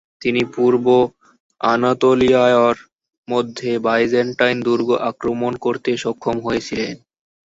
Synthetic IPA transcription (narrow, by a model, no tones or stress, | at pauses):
t̪inipuɾbo | anat̪oliajoaɾ | mod̪ʱːebajd͡ʑeɳʈajnd̪uɾɡoʔakɾomonkoɾt̪eʃɔkʰːomɦojet͡ɕʰilen